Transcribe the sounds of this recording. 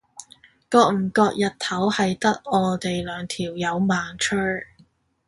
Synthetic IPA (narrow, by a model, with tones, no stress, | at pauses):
kɔː˧k̚m̩˨˩kɔː˧k̚jɐ˨tt̪ʰɐ˨˥whɐ˨jt̪ɐ˥k̚ɔː˨˧t̪e˨jlœː˨˧ŋt̪ʰiː˨˩wjɐ˨˧wmaː˨ŋt͡ʃʰɵ˥